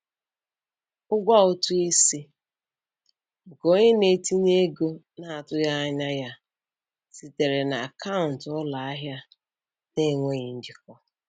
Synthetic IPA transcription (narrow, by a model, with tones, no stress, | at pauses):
ʊ˦ɡʷa˦ʊ˦tu˦i˦si˦ | ŋ̩˨ko˦ɲe˦ne˨ti˦ne˦ɡo˦ | na˦˨a˨tʊ˦ja˦a˦ɲa˦ja˦ | si˨te˨ɾe˨na˨a˨ka˦ʊ˨n̩˨tɔ˦la˨a˦ɦja˦ | ne˦˨ŋʷe˦ɲi˨n̩˦d͡ʒi˦k̚ɔ˦